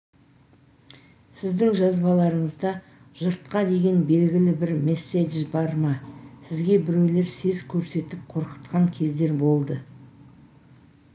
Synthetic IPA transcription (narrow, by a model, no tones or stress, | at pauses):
sɪzd̪ɪŋʒɑzbɑlˠɑɾəɴəzd̪ɑ | ʒʊɾt̪̚qɑd̪e̞ɡʲe̞nbe̞lɡʲɪlɪbɪɾmesːed̪ʒbɑɾmɑsɪzɡʲe̞bɪɾe̞wle̞ɾse̞zkʲʰɵɾse̞t̪ɪp̚qʰo̞ɾqə̥t̪qɑŋkʲʰe̞zd̪e̞ɾbo̞lˠd̪ə